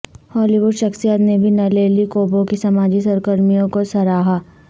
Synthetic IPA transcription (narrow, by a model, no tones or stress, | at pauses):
hɔːliʋʊɖʃɐxsijaːt̪nebʱinɐleːlikoːbõkisɐmaːd͡ʒisɐɾkəɾmijõkosɐɾaːɦa